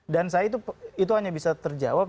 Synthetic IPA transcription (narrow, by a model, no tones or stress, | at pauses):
dansajait̪uit̪̬uɦaɲabisat̪ərd͡ʒa̰wap̚